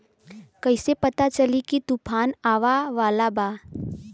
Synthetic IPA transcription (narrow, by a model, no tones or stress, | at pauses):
kɐɪsepɐt̪at͡ʃɐlikit̪upʰaːnaːʋaʋaːlabaː